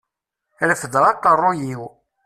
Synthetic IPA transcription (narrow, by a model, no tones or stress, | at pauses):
ɾəfəd̪ʁɑqːərˤːojiw